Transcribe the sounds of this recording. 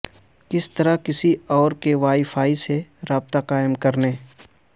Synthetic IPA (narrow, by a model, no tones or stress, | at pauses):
kɪst̪ɐɾakɪsiɔːɾkeʋaːifʰaːiseɾaːb̚t̪aqaːɪmkɐɾneː